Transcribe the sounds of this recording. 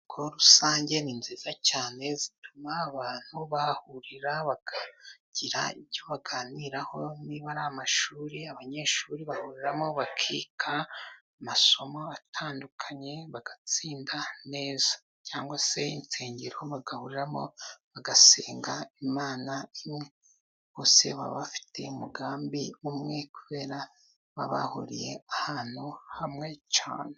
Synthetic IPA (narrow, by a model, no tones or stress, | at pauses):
kʰoɾusaːɲɟe̞ninziːzacaːne̞zitumaːβaːn̥huβahuɾiɾaβaɡ̥aɟ̥iɾa̰iβɟo̞βaɡaːniɾaho̞niβaɾamaʃuːɾiaβaɲe̞ːʃuːɾiβahuɾiɾamo̞βakʰiːkʰa | maso̞moatʰaːndukʰaɲe̞βaɡ̥at͡siːndane̞ːzḁ | caːŋɡwase̞int͡seːɲɟiɾo̞βaɡahuɾiɾamoβaɡaseːŋɡaimaːnaimŋe̞ | βose̞̰βa̰βafi̥tʰe̞̰umuɡaːmbiumŋe̞kuβe̞ːɾa | βa̰βa̰hṵɾḭje̞ahaːn̥huhamŋe̞t͡ʃa̰ːne